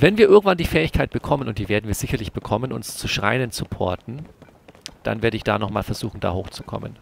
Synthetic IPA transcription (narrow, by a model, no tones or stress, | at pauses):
vɛnviːɐɪɐɡŋ̩tv̥andiːfɛːɪçkʰaɪt̚b̥əkʰɔmənʊntd̥iːveːɐdn̩viːɐz̥ɪçɐlɪçb̥əkʰɔmənʊ̰nst͡suʃʁ̥aɪnənt͡supʰɔ̰ɐtn̩ | d̥a̰nveːɐɾəɪçd̥a̰ːnɔχmaːlfɛɐz̥uːxn̩da̰ːhoːxt͡su̥kʰɔ̰mə̰n